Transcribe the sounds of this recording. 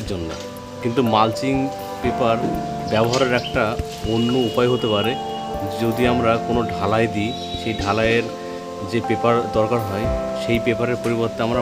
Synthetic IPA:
ɾd͡ʑonːḛ | kint̪umalt͡ɕiŋ | pepaɾbɛboɦaɾeɾɛk̚ʈa | onːoupajɦot̪epaɾe | d͡ʑod̪iamɾakonoɖʱalaed̪i | ʃejɖʱalaeɾ | d͡ʑepepaɾd̪ɔɾkaɾɦɔeʃejpepaɾeɾpoɾiboɾt̪eamɾa

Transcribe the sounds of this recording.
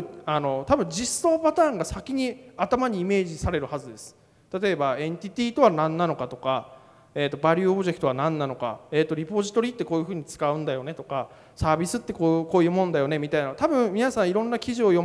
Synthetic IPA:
ano̞t̪abɯ̟̃ɲ̟d͡ʑisːoːpat̪aːŋɡasakʲiɲ̟iat̪amaɲ̟iːme̞ːʑisaɾe̞ɾɯ̟hazɨd̪e̞sɨ̥ | t̪at̪o̞e̞baẽ̞nt̪ʲit̪ʲiːt̪o̞βanãnːano̞kat̪o̞ka | e̞ːt̪ːo̞baɾʲɯːobɯ̟ʑe̞kɯ̟̥t̪oanãnːano̞ka̰eːt̪ːo̞ɾʲipo̞ʑi̥t̪o̞ɾʲit̪ːe̞ko̞ːjɯ̟ɸɯ̟ːɲ̟it͡sɨ̥kaɯ̟̃nd̪ajo̞ne̞t̪o̞ka | saːbʲisɨt̪ːe̞koːko̞ːjɯ̟ːmõ̞nd̪ajo̞ne̞mʲit̪ainat̪abɯ̟̃ɴ̃mʲinasãɰ̃iɾõ̞nːakʲiʑio̞jo̞

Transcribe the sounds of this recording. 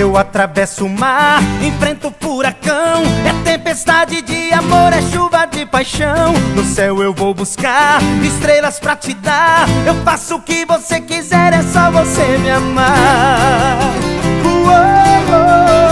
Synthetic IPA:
ewat̪ɾavɛsʊʊmaɾẽfɾẽnt̪ʊfuɾakɐ̃w̃ɛt̪ẽpest̪ad͡ʒɪd͡ʒɪamoɾɛʃuvɐd͡ʒɪpajʃɐ̃w̃w̃nʊsɛwewvowbuskaɾɪst̪ɾelɐspɾɐt͡ʃɪd̪aewfasʊkɪvosekizɛɾɛsɔvosemɪama | kuoo

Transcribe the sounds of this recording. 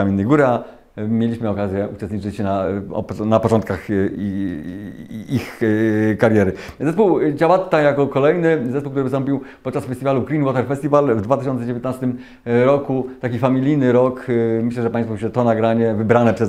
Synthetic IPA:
amʲinːɛjɡuɾɘa | mʲjelʲiɕmɘɔkazʲjɛut͡ʂɛst̪ɲit͡ʂɘt͡ɕnaɔ̰pnapɔt͡ʂɔnt̪kax | ixkaɾjɛɾɘ | zɛspuwd͡ʑawat̪t̪ːajakɔkɔlɛjnɘzɛspuwkt̪uɾvsɔmpʲiwpɔt̪̚t͡ʂasfɛst̪ivaluɡɾinwɔt̪ɛɾfɛst̪ʲivalvd̪vat̪ɘɕɔnt̪sɛd͡ʑevʲjet̪nast̪ɘm | ɾɔkut̪akʲifamʲilʲijnɘɾɔkmɘɕlɛʐɛpãj̃st̪fuɕɛt̪ɔnaɡɾaɲɛvɘbɾanɛpʂɛ

